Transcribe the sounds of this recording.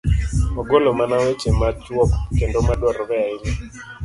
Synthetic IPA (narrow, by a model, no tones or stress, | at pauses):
ɔɡolomanawet͡ʃemat͡ʃwɔkkendomadwɔɾɔbɛaɪni